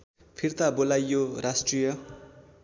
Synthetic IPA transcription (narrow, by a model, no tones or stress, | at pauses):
pʰirt̪abolajːoɾasʈrijʌ